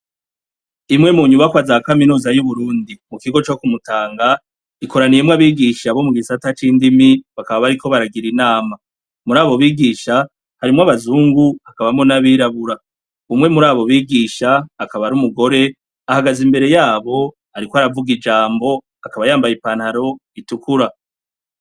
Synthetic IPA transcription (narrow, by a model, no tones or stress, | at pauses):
imŋe̞muɲuβakwazaakaminuːzajuβuɾuːndimukiɡo̞t͡ʃo̞kumutaːŋɡa | iko̞ɾanijemwaβiːɡiʃaβo̞muɡisatat͡ʃiːndimiβakaβaβaɾiko̞βaɾaɡiɾinaːma | muɾaːβo̞βiːɡiʃa | haɾimŋwaβazuːŋɡuakaβamonaβiːɾaβuɾa | umŋe̞muɾaːβo̞βiːɡiːʃaːkaβaɾumuɡo̞ɾe̞ | ahaɡazimbe̞ɾe̞jaːβo̞ | aɾikoaɾavuɡid͡ʒaːmbo̞ | akaβajaːmbajipaːnhaɾo̞itukuɾa